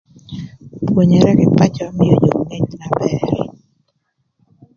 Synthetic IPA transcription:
pwo˨ɲe˨ɾɛ˦kɪ˨pa˦t͡ʃɔ˦mɪ˦jo˦d͡ʒo˨ŋe˦ɲna˨bɛɾɛ̰˨

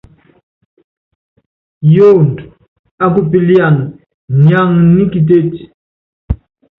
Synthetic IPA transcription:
jo˦nd | a˦k̬u˦˨pi˨li˦a˨n | ɲa˦˨ŋni˦ki˨t̬e˦˨ti̥

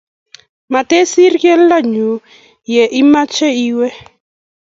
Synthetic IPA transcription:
ma˨te˦si˦ɾkɛ˦la˦˨ɲu˨ | jɛ˨ʔi˦ma˦t͡ʃɛ˦i˦wɛ˦

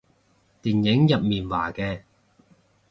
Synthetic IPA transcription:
t̪iː˨njɪ˨˥ŋjɐ˨p̚miː˨˩nwa̰ː˨˩kɛː˧

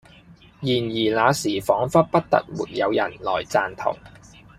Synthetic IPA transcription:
jiː˨˩njiː˨˩laː˨˧siː˨˩fɔː˨˥ŋfɐ˥t̚pɐ˥t̚t̪ɐ̰˨t̚mṵː˨˩t̚jɐ˨˧wjɐ̰˨˩nlɔ̰ː˨˩jt͡saː˧nt̪ʰʊ̰˨˩ŋ

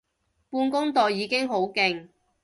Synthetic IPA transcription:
puː˧nkʊ˥ŋt̪ɔː˨jiː˨˧kɪ˥ŋɦo˨˥wkɪ˨˧ŋ

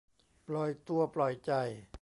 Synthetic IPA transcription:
plɔ˨˩jt̪u˧ɐplɔ˨˩jt͡ɕa˨˩j

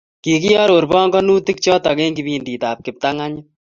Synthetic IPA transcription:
ki˨ki˦jɔ˦ɾo˨ɾbɔː˦ŋɡɔ˦nuː˦t̪ɪ˦k̚t͡ʃɔ˦t̪a˨keː˦ŋɡi˨biː˦ndiː˨t̪aː˨p̚kɪ˨p̚t̪a˦ŋa˦ɲɪ˦

